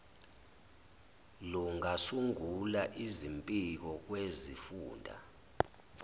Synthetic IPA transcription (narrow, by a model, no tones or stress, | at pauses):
luŋasuŋulaʔizimpʼik̬ɔk̬wezifuːndʱa̰